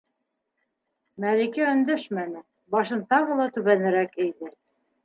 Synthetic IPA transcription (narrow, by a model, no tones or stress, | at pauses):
mælikæɵ̆nd̪ɵʃmænɘ | bɑʃɤnt̪ɑʁɤ̆lˠɑt̪ʉβænɘ̆ɾækĕjðɘ